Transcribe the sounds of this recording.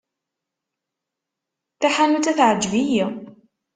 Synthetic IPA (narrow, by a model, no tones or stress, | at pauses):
θaħanut͡s̪æθʕəd͡ʒːviji